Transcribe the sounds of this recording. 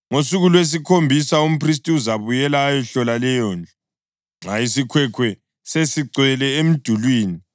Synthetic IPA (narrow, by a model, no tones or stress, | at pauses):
ŋosuɣulwes̬ikʰombʱisaum̩pʰris̬tʼiuzaβujɛlaːjɛɬɔlalɛjɔːnd͡ɮʱɔ | ŋ͡ǁaisikʰwɛkʰwɛ | sesiǀwɛlɛem̩d̥ʱulwiːni